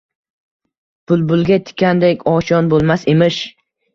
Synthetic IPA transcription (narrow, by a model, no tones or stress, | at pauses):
b̥ʊlˠbʊlˠɡʲat̪ʰɪ̥kʲːand̪ekʲɒt͡ʃʰɒnbolˠmasemɪʃ